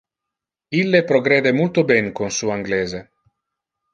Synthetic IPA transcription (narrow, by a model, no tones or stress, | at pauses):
ilːepɾoɡɾeːd̪emult̪obɛŋkonsuaŋɡleːze